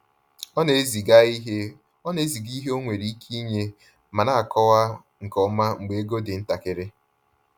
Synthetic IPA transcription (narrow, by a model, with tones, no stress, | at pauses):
ɔ˦ne˦zi˨ɡa˦i˦ɦe˦ | ɔ˦ne˦zi˨ɡi˦ɦe˦o˦ŋʷe˨ɾi˦i˦kʰi˦ɲe˦ | ma˨na˦˨a˨kɔ˦wa˦ | ŋ̩˨kɔ˨ma˦ŋ͡m̩˨ɡ͡be˨e˦ɡo˦dɪ˨n̩˦ta˨kɪ˦ɾɪ˦